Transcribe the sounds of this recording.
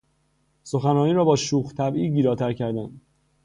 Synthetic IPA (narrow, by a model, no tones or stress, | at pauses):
so̞xænɒːniːɾɒːbɒːʃuːxt̪ʰæbiːɡiːɾɒːt̪ʰæɾcʰæɾd̪æn